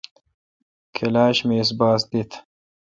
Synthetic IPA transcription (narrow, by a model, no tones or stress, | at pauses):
kʰelaːɕmeːs̬baːsd̪it̪ʰ